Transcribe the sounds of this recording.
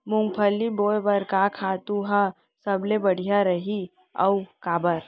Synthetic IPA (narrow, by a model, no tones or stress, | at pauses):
mʊ̃ŋɡpʰəlːiboːjbɐɾkakʰaːt̪ũɦa | sɐblebɐɽ̤ijaɾɐɦi | ɐ̰ukaːbəɾ